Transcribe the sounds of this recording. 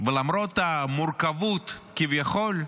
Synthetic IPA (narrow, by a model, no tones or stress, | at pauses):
velamɾot̪amuɾkavut̪kivjaχo̞l